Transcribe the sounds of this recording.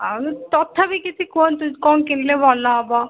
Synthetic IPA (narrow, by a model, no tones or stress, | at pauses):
anit̪ɔt̪ʰːabikit͡ʃʰikɔnt̪ukɔnkenilebʱɔlːaɔbɔ